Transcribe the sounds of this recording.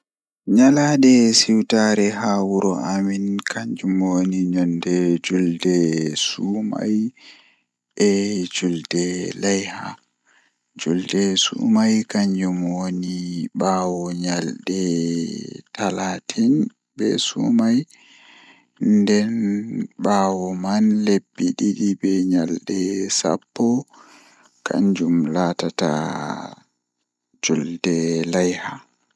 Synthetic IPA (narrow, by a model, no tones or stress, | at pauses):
ɲalaɗɛsiwtaɾɛɦawuɾɔʔaminkʰaɲd͡ʒumoniɲɔndɛd͡ʒuldɛsuma̰j | ɛd͡ʒuldɛlajha̰ | d͡ʒuldɛsṵmajkaɲd͡ʒumoniɓaːwɔɲalɗɛ | tʰalatʰin | bɛ̰sṵmaj | ndɛnɓaːwɔmanlebːiɗiɗibɛɲalɗɛsa̰pːɔ | kʰa̰ɲd͡ʒumlatata̰ | d͡ʒuldɛlajha